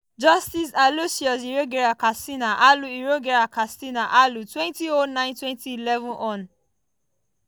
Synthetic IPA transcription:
d͡ʒɔstis̬alosiɔs̬iɾoɡeɾakastinaʔaluiɾoɡeɾakastinaʔalutwɛ̃ntionãɪ̃ntwɛ̃ntiilɛvũnʔɔ̃n

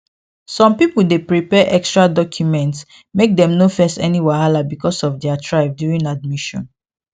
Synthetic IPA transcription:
sɔ̃mpipuldepɹipɛʔɛkstɹadɔkʰjumɛ̃nts | mek̚dɛ̃mnofɛ̃stɛniwɛhalabikɔsɔfdɛatʰɹaɪvdjuɹĩnad̚miʃɔ̰̃n

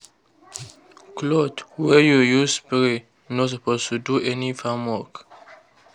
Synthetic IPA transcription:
klɔdwɛjujuspiɹi | nɔtsɔpostuduʔɛnifãmwɔk

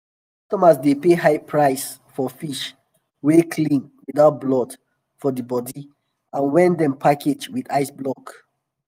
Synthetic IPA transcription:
kɔstɔmasdepehaɪpʰɹaɪs | fɔfiʃ | wekʰlĩnwiðaʊt̚blɔd | fɔdəbɔdi | ãnwɛ̃ndɛ̃mpʰakʰed͡ʒwidaɪsblɔk

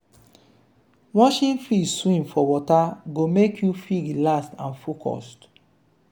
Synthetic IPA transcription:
wɔ̃ʃĩnfiswĩmfɔwɔtaɡomekʰjufiɡlastãnfokʰɔ̰st

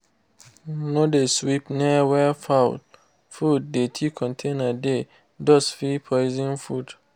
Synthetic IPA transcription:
nõdeswipnɛwɛfaʊt | fud̚detʰikʰɔ̃ntʰenade | dɔsfipʰɔɪzĩnfud

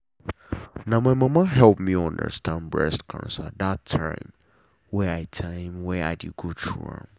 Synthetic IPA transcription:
nãmãɪmãmaɦɛlˠpmiɔ̃ndə̰˞stʰãnbɹɛ̰stkʰã̰nsadatʰːã̰ɪ̃m | wɛaɪtʰãɪ̃mwɛa̰ɪdɪd̚ɡotʰɹṵɛ̰̃m

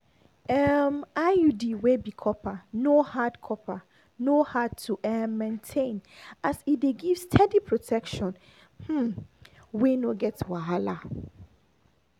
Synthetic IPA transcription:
ɛmajudiwebikʰɔpʰanohadkʰɔpʰa | nohad̚tʰuʔɛmːɛ̃ntʰẽnasideɡivstʰɛdipʰɹotʰɛkʃɔ̃n | h̩ | wenoɡɛtwaɦala

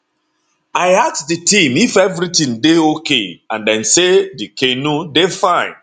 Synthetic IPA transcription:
aɪaktdɨtĩmifɛvɾitĩndeokeãndɛ̃nsedikʰenudefãɪ̃n

